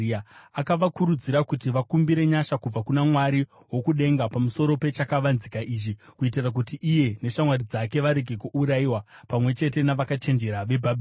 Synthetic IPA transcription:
akaʋakuɾud͡ziɾakutiʋakumbiɾe̞ɲaʃakub͡vakunamwaɾi | wo̞kuɗe̞ŋɡapamuso̞ɾo̞pe̞t͡ʃakaʋanzikaʔiːʐikuit̬irak̬utiʔːje̞ne̞ʃamwarid͡zake̞ʋaɾe̞ɡʱe̞kuuɾaiwapamwe̞t͡ʃe̞te̞naʋakat͡ʃe̞nd͡ʒe̞ɾaʋe̞bʱabʱi

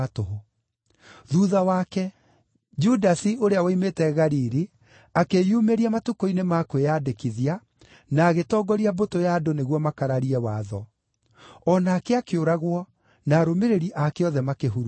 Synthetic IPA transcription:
too | ðuːðawakɛ | d͡ʒudasioɾeawaimetɛɣaɾiɾi | akejumeɾiamatukoinemakwejadekiðia | naːɣetɔːɡɔɾiabotojaːdoneɣwɔmakaɾaɾiɛwaːðɔ | ɔnaːkeakeoɾaɣwɔ | naɾomeɾeɾiʔakeɔðɛmakeɦuɾ

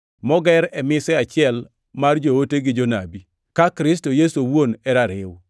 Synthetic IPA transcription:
mɔɡɛɾɛmɪsɛat͡ʃɪɛl | mard͡ʒowoteɡɪd͡ʒonabi | kakɾɪs̬tojesowwonɛɾaɾɪ̰w

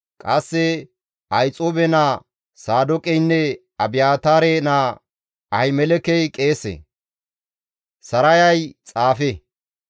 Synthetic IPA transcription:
kʼɐsːɛ | ʔɐjt͡sʼoːbɛna | saːd̪ɔkʼɛjnːɛ | ɐbɪjaːt̪aːɾena | ʔɐjmɛlɛkɛjkʼeːsḛ | sɐɾɐjɐjt͡sʼaːfe

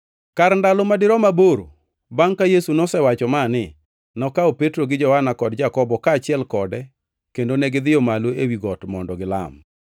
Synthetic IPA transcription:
kaɾndalɔmadɪɾɔmaboɾo̰ | baŋkajesunɔsɛwat͡ʃɔmanɪ | nɔkaopetɾoɡɪd͡ʒɔhanakɔdd͡ʒakɔbɔkaːt͡ʃɪɛlkɔdɛ | kendonɛɡɪd̪ɪjɔmaloewiɡɔtmɔndɔɡɪla̰m

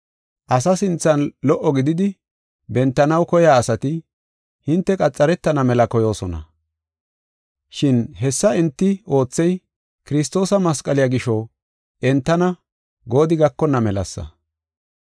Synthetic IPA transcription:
ʔɐsɐsɪnt͡sːɐnlɔʔːɔɡɪd̪ɪd̪ɪ | bɛnt̪ːɐnɐwkɔjaːsɐt̪ɪ | hɪnt̪ːɛkʼɐt͡sʼːɐɾɛt̪ːɐnɐmɛlɐkɔjo̞ːsɔnɐ̰ | ʃɪnɦɛsːɐɛnt̪ːɪo̞ːt͡sːɛj | kɪɾɪst̪o̞ːsɐmɐskʼɐlɪjɐɡɪʃɔ | ʔɛnt̪ːɐnɐ | ɡo̞ːd̪ɪɡɐkːɔnːɐmɛlɐ̰sːɐ̰

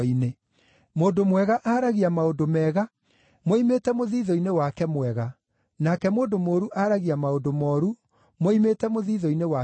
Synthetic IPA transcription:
ine | moːndomwɛɣaʔaːɾaɣiamaodomɛːɣa | moimetɛmoðiːðɔinewakɛmwɛɣa | nakɛmoːndomoːɾuʔaːɾaɣiamaodomɔɾu | moimeːtɛmoðiːðɔinewa

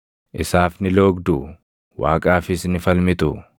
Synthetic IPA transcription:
ʔɪsaːfnɪlo̞ːɡd̪ʊ | wa̰ːkʼaːfɪsnɪfɐlmɪt̪ʊ

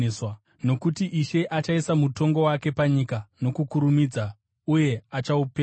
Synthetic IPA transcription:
swa | no̞kutiʔiʃe̞ʔat͡ʃaisamuto̞ŋɡo̞wake̞paɲikano̞kukuɾumid͡za | uje̞at͡ʃaupe

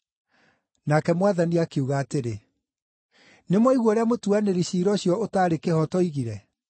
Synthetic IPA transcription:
nakɛmwaðaniakeuɣaːteɾe | nemwɔiɣwɔɾeamotuaneɾiɕiːɾɔɕjɔotaːɾekehɔtɔiɣiɾɛ

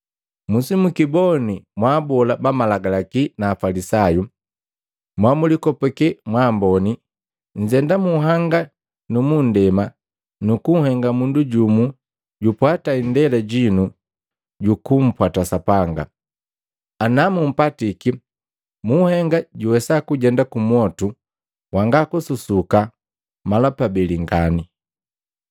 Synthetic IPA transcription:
musimukibɔnimwabɔlabamalaɡalakinaːfalisaju | mwamulikɔpɛkɛmwambɔni | ɲ̩d͡ʒɛndamuɦaŋɡa | numun̩dɛma | nukuŋ̩hɛŋɡamunduɟumu | ɟupwataindɛlɛɟinu | ɟukum̩pwatasapaŋɡa̰ | anamum̩patiki | muhɛŋɡaɟuwɛsakuɟɛndakumwɔtu | waŋɡakususuka | malapabɛliŋɡani

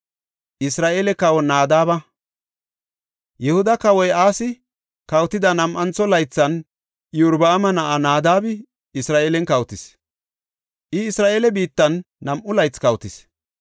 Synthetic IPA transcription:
ʔɪsɾaːʔeːlɛkɐwɔnaːd̪aːbɐ | jɛhʊd̪ɐkɐwɔjaːsɪ | kɐwt̪ɪd̪ɐnɐmʔɐnt͡sːɔlɐjt͡sːɐn | jʊɾbɐːmɐnɐʔanaːd̪aːbɪ | ɪsɾaːʔeːlɛnkɐwt̪ɪs | ʔɪːsɾaːʔeːlɛbiːt̪ːɐnː | ɐmʔʊlɐjt͡skɐwt̪ɪs

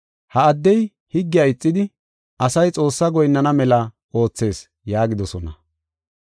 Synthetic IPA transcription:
hɐɐd̪ːɛj | hɪɡːɪjaɪt͡sʼːɪd̪ɪ | ʔɐsɐjt͡sʼo̞ːsːɐɡɔjnːɐnɐmɛlɐ | o̞ːt͡sːe̞ːs | jaːɡɪd̪ɔsɔnɐ

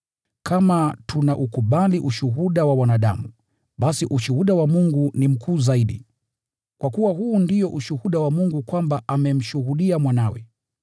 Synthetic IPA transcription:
kamatʰunaʔukuɓaliʔuʃuɦuɗawawanaɗa̰mu | ɓasiʔuʃuhuɗawamuŋɡunim̩kʰuːzaiɗḭ | kwakuwaɦuːndijɔʔuʃuhuɗawamuŋɡukwambaʔamɛm̩ʃuhuɗiamwanawɛ̰

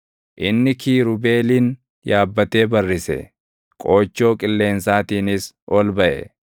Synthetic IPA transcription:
ʔɪnːɪkʰiːɾʊbe̞ːliːn | jaːbːɐt̪e̞ːbɐrːɪsɛ̰ | kʼo̞ːt͡ʃːo̞ːkʼɪlːe̞ːnsaːt̪iːnɪs | ʔɔlbɐʔɛ̰

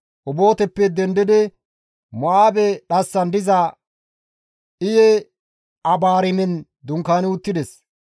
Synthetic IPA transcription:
ʔʊboːt̪ɛpːɛd̪ɛnd̪ɪd̪ɛ | mɔʔaːbɛɗɐsːɐnd̪ɪzɐ | ʔɪjɛ | ɐbaːɾɪmɛn | d̪ʊŋkaːnɪʊt̪ːɪd̪ɛs

